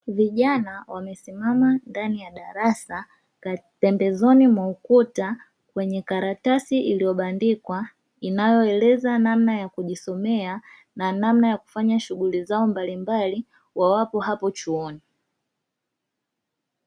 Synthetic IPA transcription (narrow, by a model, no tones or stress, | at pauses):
viʄanawamɛsimamandanijaɗaɾasa | ka | pɛmbɛzɔnimwaukuta | kwɛɲɛkaɾatasiilijɔɓandikwa | inajɔɛlɛzanamnajakuʄisɔmɛa | nanamnajaku̥faɲaʃuɠulizaɔmbalimbali | wawapɔhapɔt͡ʃuɔni